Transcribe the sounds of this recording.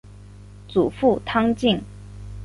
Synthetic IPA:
t͡su˨˩fu˥˩t̪ʰɑ˥ŋt͡ɕi˥˩ŋ

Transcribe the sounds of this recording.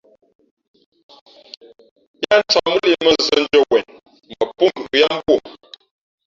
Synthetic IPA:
ja˦n̩˦t͡sa˨mə˦li˦˨mə˦˨zə˦n̩˦d͡ʒə˦wɛ˨n | mə˨pu˦lu˨ja˦m̩˦bwo˦˨

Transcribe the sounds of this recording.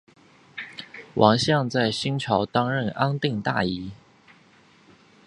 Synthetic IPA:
wʔɑ̰˧˥ŋɕjɑ˥˧ŋt͡sa˥˩ɪɕi˥ŋt͡ɕʰjɑ˧˥ʊt̪ɑ˥ŋɻə˥˩na˥nt̪i˥˧ŋt̪a̰˥˩i˧˥

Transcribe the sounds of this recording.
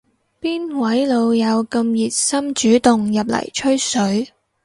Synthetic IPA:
piː˥nwɐ˨˥jlo˨˧wjɐ˨˧wkɐ˧mjiː˨t̚sɐ˥mt͡ʃyː˨˥t̪ʊ˨ŋjɐ˨p̬̚lɐ̰˨˩jt͡ʃʰɵ˥ɥsɵ˨˥ɥ

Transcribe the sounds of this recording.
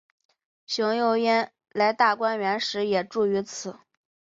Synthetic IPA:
ɕʊ˧˥ŋjo˥˧ʊjɛ˥n | la˧˥ɪt̪a˥˩kwa˥nɥɛ˧˥nʂɻ̩˧˥jɛ˨˩ʈ͡ʂu˥˩y˧˥t͡sʰɹ̩˨˩˦

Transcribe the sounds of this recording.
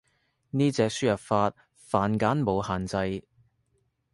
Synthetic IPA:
niː˥t͡sɛː˧k̚syː˥jɐ˨p̚faː˧t̚ | faː˨nkaː˨˥nmo˨˧whaː˨nt͡sɐ˧j

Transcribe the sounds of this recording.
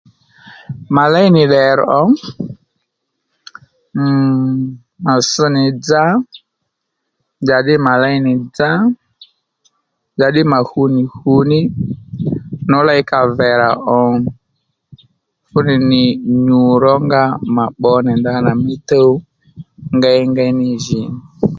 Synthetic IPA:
ma˨la˦i˦nɪ˨ɗɛ˨ɾɔ˦ | ma˨sə˦nɪ˨d͡za˦ | d͡ʒa˨ɗɪ˦ma˨la˦i˦nɪ˨d͡za˦ | d͡ʒa˨ɗɪ˦ma˨hu˨˦nɪ˨hu˨nɪ˦ | nɔ˨˦la˦ɪ˦ka˨vɛ˨ɾa˨ʔɔ˨ | fʊ˦nɪ˨nɪ˨ɲu˨ɾɔ˦ŋɡa˦ma˨ɓɔ˧˦nɛ˨nda˦na˨mi˦tə˦u˦ | ŋɡa˦i˦ŋɡa˦i˦nɪ˦˨ʒi˨nɪ˨

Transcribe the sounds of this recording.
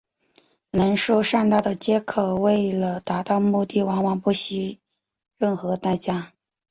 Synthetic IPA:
nə˧˥nʂɔ˥ʊʂa˥˧nt̪a˥˩d̪ə˩t͡ɕjɛ˥kʰɤ˨˩we˥˩ɪlə˩t̪a˧˥t̪ɑ˥˧ʊmu˥˧t̪i˥˩wɑ˧˥ŋwɑ˧˩ŋpu˥˩ɕi˧˥ | ɻə˥˩nxɤ˧˥t̪a˥˩ɪt͡ɕja˥

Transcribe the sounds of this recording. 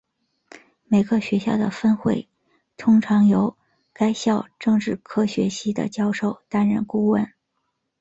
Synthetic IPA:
me˨˩ɪɡə˥˩ɕɥɛ˧˥ɕjɑ˥˩ʊd̪ə̰˩fə˥nxwe˥˩ɪ | t̪ʰʊ˥ŋʈ͡ʂʰɑ˧˥ŋjo˧˥ʊ | ka˥ɪɕjɑ˥˧ʊʈ͡ʂɤ˥˧ŋʈ͡ʂɻ̩˥˩kʰɤ˥ɕɥɛ̰˧˥ɕi˥d̪ə̰˨t͡ɕjɑ˥ʊʂo˥˩ʊt̪a˥nɻə̰˥˩nku˥wə̰˥˩n

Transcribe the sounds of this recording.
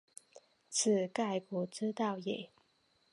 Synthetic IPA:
t͡s̩ʰ˨˩ka˥˩ɪkɔ˨˧˩ʈ͡ʂɻ̩˥t̪ɑ˥˩ʊje˨˩ɪ

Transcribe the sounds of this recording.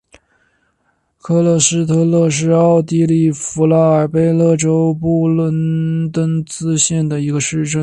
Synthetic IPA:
kʰɤ˥˧lɤ˥˩ʂɻ̩˥t̪ʰɤ˥˧lɤ˥˧ʂ̬ɻ̩˥˧ɑ˥˩ʊt̪i˥li˥˩fu˧˥la˥ə˞˨˩pe˥ɪlɤ˥˩ʈ͡ʂo˥ʊpu˥˩lwə˥nt̪ə˥nt͡sɹ̩˥ɕjɛ˥˩nd̪ə˩i˧˥ɡə˧ʂɻ̩˥˧ʈ͡ʂə˥˩n

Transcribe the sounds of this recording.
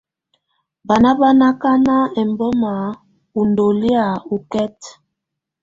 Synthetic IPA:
ba˨na˦ba˦na˦ka˦na˦ɛ˨mbɔ˦ma˨˦ | u˨ndo˨li˦a˨u˨kɛ˦t

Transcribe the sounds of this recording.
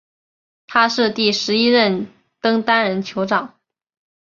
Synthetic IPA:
t̪ʰa˥ʂɻ̩˥˧t̪i˥˩ʂɻ̩˧˥i˥ɻə˥˩n | t̪ɤ˥ŋt̪a˥nɻə˧˥nt͡ɕʰjo˧˥ʊʈ͡ʂɑ˨˩˦ŋ

